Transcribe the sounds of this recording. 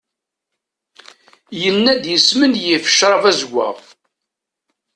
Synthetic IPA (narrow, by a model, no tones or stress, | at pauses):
jənːæd̪jəsmənjifə̥ʃɾˤɑvæzəɡʷːæ̰ʁ